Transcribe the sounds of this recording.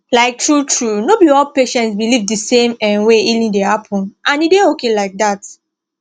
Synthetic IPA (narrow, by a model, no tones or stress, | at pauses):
laɪk̚tʰɹutʰɹunobiɔlpeʃɛ̃ntsbilivdɨsẽmɛ̃nweilĩndehapʰɔ̃nʔãnideokelaɪk̚dat